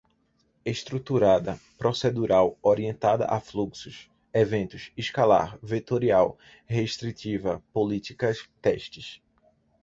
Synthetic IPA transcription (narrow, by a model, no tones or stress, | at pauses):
eʃt̪ɾut̪uɾad̪ɐpɾosed̪uɾawoɾiẽnt̪ad̪ɐ̰ʔa̰fluksʊʃ | evẽnt̪ʊʃiʃkala̰ɾvet̪oɾiaw | heʃt̪ɾit̪ivɐpolit̪ikɐst̪ɛʃt͡ʃɪs